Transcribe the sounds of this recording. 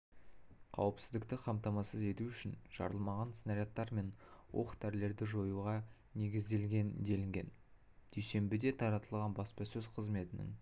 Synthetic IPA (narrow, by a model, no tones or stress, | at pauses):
qʰɑ̰wəpsɪzd̪ɪkt̪ɪqʰɑmt̪ɑmɑsəze̞t̪uʏʃɪnʒ̥ɑ̰ɾəlˠmɑʁɑnsnɑɾjɑt̪ːɑɾme̞nwo̞̰qt̪ʰːæɾle̞ɾd̪ɪʒo̞juʁɑ | ne̞ɡʲɪzd̪e̞lɡʲe̞nd̪e̞lɪŋɡʲe̞̰n | d̪̥ejse̞mbɪd̪e̞t̪ʰɑɾɑt̪əlˠʁɑnbɑspɑsɵz̥qʰəzme̞t̪ɪnɪ̰ŋ